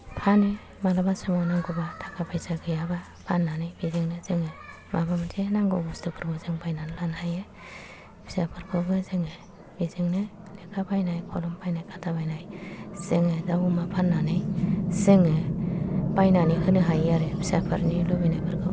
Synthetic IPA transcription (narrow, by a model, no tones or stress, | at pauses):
pʰani | malabasamɔnaŋɡubatʰḁkʰapʰajsaɡɯjaba | pʰanːanɯjbizeŋnɯzɯŋe | mʔabamɯtʰenaŋɡoɡustʰɯkʰɯɾɡɔzɯŋbajnanɯlanhaje | bʰi̥sapʰɯɾkʰɯɡɯzɯŋe | b̥izeŋnɯ | lekʰabajnajkʰɔlɔmpʰajnajkʰatʰabajnajseŋedawumapʰanːanɯjseŋe | b̥ajnanihɯnɯɦajaɾebʰi̥sapʰɯɾnilobinajpʰɯɾɡʰɯ̰